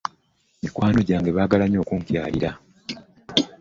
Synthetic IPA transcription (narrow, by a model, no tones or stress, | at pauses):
mikwaːno̞ɟaːŋɡe̞βaːɡalaɲo̞ːkuŋkja̰ːliɾa